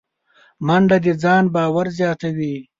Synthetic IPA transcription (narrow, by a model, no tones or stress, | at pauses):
mɐɳɖad̪id͡zɑːnbɑːwaɾzjɑːt̪awiː